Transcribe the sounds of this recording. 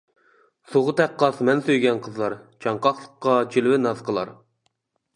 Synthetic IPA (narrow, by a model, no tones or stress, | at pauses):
soʁət̪ʰɛqːɑsmɛnsøjɡʲɛnqʰəzlˠɑɾt͡ʃʰɑɴqɑχlˠəqːɑt͡ʃʰilwɪnɑzqʰəlˠɑ̰ɾ